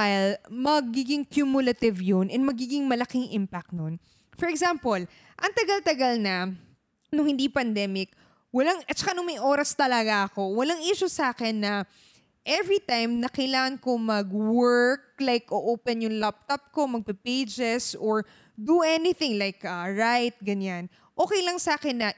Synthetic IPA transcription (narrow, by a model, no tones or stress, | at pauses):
ahɪlmɐɡiɡɪŋkjumjʊlɐt̪ɪvjonʔɛnmɐɡiːɡɪŋmɐlɐkɪŋʔɪmpak̚t̪̚non | fɔɹɛɡsampol | ʔɐŋt̪ɐɡalt̪ɐɡalnɐ | nʊŋhɪnd̪iːpɐnd̪ɛmɪk̚ | wɐlaŋɐt͡ʃɐ̥kanʊŋmɐjʔoːɾɐst̪ɐlɐɡaʔɐko̞wɐlaŋʔiʃʊsaːkɛnːɐ | ʔɛvɹit̪ajmnɐkɪjlaːŋɐnkomɐɡwɛɹk̚lajkʔoʔoːpɛnjʊŋlap̚t̪op̚ko̞mɐɡ̚pɛpejd͡ʒɛsʔoɹ | d̪uʔɛnɪθɪŋlajkʔɐɹajt̪̚ɡɐɲan | ʔoːkɛjlɐŋsaːkɛnːɐ